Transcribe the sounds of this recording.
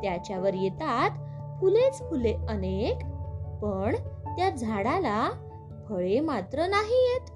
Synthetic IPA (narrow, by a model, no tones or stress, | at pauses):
t̪jat͡ɕjaʋəɾjet̪at̪ | fʰulet͡sfuleənekpəɳt̪jad͡zʱaɽala | pʰəɭemat̪ɾənaɦijet̪